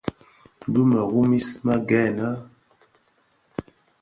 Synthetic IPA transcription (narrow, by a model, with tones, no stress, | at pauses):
du˦ma˨ɣu˦mi˦sma˦ɡɛ˦˨na˦